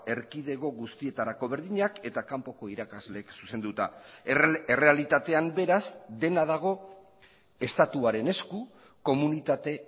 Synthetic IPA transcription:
e̞ɾkiðe̞ɣo̞ɣust̪ie̞t̪aɾako̞β̞e̞ɾðiɲake̞t̪akampo̞ko̞iɾakazle̞ksuse̞nd̪ut̪a | ere̞alit̪at̪e̞ambe̞ɾazd̪e̞nað̞aɣ̞o̞ | e̞st̪at̪uaɾe̞ne̞sku | ko̞munit̪at̪e̞

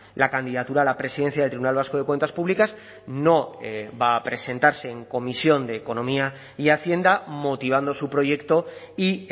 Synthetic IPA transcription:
lʔakand̪iðat̪uɾaːlapɾesiðe̞nθjaðelt̪ɾiβunalβ̞asko̞ð̞e̞kwe̞nt̪aspuβlikas | no̞baːpɾe̞sẽ̞nt̪aɾse̞ːŋko̞misjo̞nd̪e̞ːko̞nõ̞mia | iaθje̞nd̪amo̞t̪iβ̞and̪o̞supɾo̞ʝe̞kt̪o̞ | i

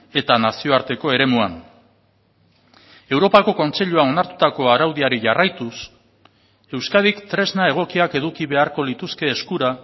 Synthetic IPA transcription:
e̞t̪anasio̞aɾt̪e̞ko̞e̞ɾe̞muan | e̞wɾo̞pako̞ko̞nt͡se̞ʎuao̞naɾt̪u̥t̪ako̞aɾawðiaɾiʝarajt̪us | e̞wskaðikt̪ɾe̞znae̞ɣ̞o̞kiake̞ðukiβe̞aɾko̞lit̪uske̞ːskuɾa

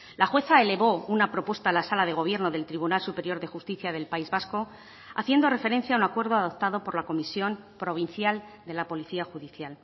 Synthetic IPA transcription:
laxwe̞θaele̞βo̞unapɾo̞pwe̞st̪alasalaðe̞ɣ̞o̞β̞je̞ɾno̞ðe̞lt̪ɾiβunalsupe̞ɾjo̞ɾðe̞xust̪iθjaðe̞lpaizβasko̞ | a̰θje̞nd̪o̞re̞fe̞ɾe̞nθjaunakwe̞ɾðo̞aðo̞p̚t̪aðo̞po̞ɾlako̞misjo̞mpɾo̞β̞inθjal | d̪e̞lapo̞liθiaxuðiθjal

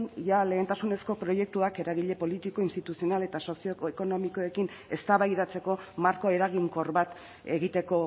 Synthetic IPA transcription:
njale̞ːnt̪asune̞sko̞pɾo̞je̞k̚t̪uake̞ɾaɣiʎe̞po̞lit̪iko̞inst̪it̪usio̞nale̞t̪aso̞sio̞eko̞no̞miko̞ekin | e̞st̪aβajðat͡se̞ko̞maɾko̞e̞ɾaɣ̞iŋko̞rβat̪ | e̞ɣit̪e̞ko̞

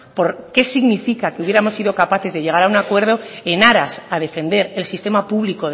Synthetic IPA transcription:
po̞ɾke̞siɣnifikake̞uβjeɾamo̞sːiðo̞kapaθe̞zðe̞ʝe̞ɣ̞aɾaunakwe̞ɾð̞o̞e̞naɾasað̞e̞fe̞nd̪e̞ɾe̞lsist̪e̞mapuβliko̞

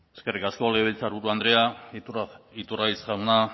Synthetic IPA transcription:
eskerikaskoaleβelʲt͡saɾβuɾuand̪ɾe̞a | it̪uraisʝawna

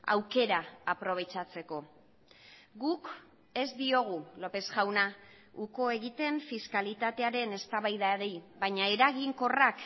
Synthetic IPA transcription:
a̰wke̞ɾaːpɾo̞β̞e̞t͡ʃat͡se̞ko̞ | ɡuk | e̞zd̪io̞ɣ̞ulo̞pe̞zɣawna | uko̞e̞ɣit̪e̞ɱfiskalit̪at̪e̞aɾe̞ne̞st̪aβajðaɾejβaɲae̞ɾaɣiŋko̞rak

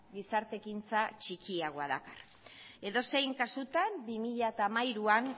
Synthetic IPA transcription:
ɡisaɾt̪e̞kint͡sat͡ʃikiaɣ̞oaðakar | e̞ðo̞se̞jŋkasut̪ambimiʎaet̪aːmajɾuan

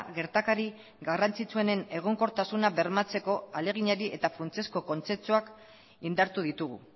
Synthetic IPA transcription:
ɣe̞ɾt̪akaɾi | ɡarant͡sit͡sue̞ne̞ne̞ɣ̞o̞ŋko̞ɾt̪asunaβe̞ɾmat͡se̞ko̞ale̞ɣ̞iɲaɾiʔe̞t̪afunt͡siesko̞ko̞nt͡se̞pt͡suak | ind̪aɾt̪uð̞it̪uɣ̞ṵ

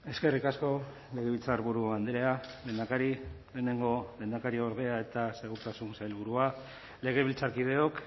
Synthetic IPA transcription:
e̞ske̞rikasko̞ | le̞ɣeβilt͡saɾβuɾuand̪ɾe̞ale̞ːnd̪akaɾi | le̞ːne̞ŋɡole̞ːnd̪akaɾio̞ɾð̞e̞ae̞t̪ase̞ɣuɾt̪asunsailβ̞uɾua | le̞ɣ̞eβilt͡saɾkið̞e̞o̞k

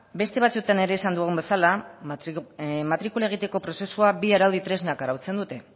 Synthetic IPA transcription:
be̞st̪e̞β̞at͡sut̪ane̞ɾe̞ːsand̪uɣ̞umbe̞sala | mat̪ɾikulae̞ɣ̞it̪e̞ko̞pɾo̞se̞suabiaɾawðit̪ɾe̞znakaɾawt͡se̞nd̪ut̪e̞

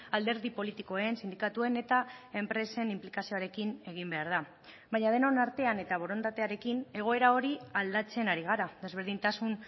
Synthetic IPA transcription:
ald̪e̞ɾðipo̞lit̪iko̞eensind̪ikat̪ue̞ne̞t̪ae̞mpɾe̞se̞nimplikasio̞aɾe̞kine̞ɣ̞imbe̞aɾða | βaɲað̞e̞nonaɾt̪e̞ane̞t̪aβ̞o̞ɾo̞nt̪at̪e̞aɾe̞kine̞ɣ̞o̞e̞ɾao̞ɾiald̪at͡se̞naɾiɣaɾad̪e̞zβ̞e̞ɾðint̪asun

